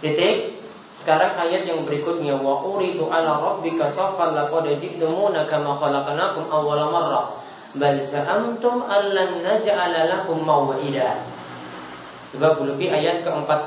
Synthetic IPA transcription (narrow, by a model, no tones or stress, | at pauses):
kit̪ɪk̚ | sə̥kaɾaŋʔajat̪̚jaŋbəɾikʊt̪̚ɲawaʔʊɾid̪uʔalaɾˤɑbːɪkasɑfalːakɔdad͡ʒɪʔt̪ʊmunakamaxɔlaqanakʊmʔawːalmɑrˤːɑ | balsaʔamt̪ʊmʔalːanːad͡ʒaʔalalakʊmːawaʔɪda | səbap̚bulukiʔajat̪̚kəəmpat̪̚